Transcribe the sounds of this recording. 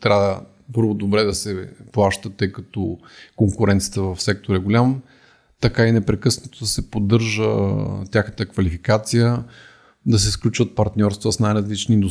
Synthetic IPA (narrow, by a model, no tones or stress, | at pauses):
t̪ɾʲaə | pɤɾvod̪obɾɛd̪ɐsɛplˠaʃt̪ət̪ːɤjkɐt̪ɔ | koŋkʊɾɛnt̪sijət̪əvɐfsɛk̚t̪oɾɛɡolʲam | t̪ɐkainɛpɾɛkɤsnɐt̪od̪ɐsɛpod̪ɤɾʒət̪ʲaxnət̪əkvɐlifikat̪sijə | d̪ɐsɛsklʲut͡ʃvət̪̚pɐɾt̪nʲɔɾst̪vəsnajɾɐzlit͡ʃniind̪o